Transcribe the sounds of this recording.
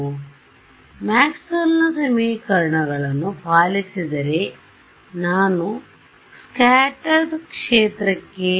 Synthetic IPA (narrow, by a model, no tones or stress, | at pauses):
maːksonːɐsɐmiːkɐɾɐɳɐɡɐɭɐnupaːlisid̪ɐɾe | naːnu | skaːʈɐɾd̪kʂeːt̪ɾɐkːe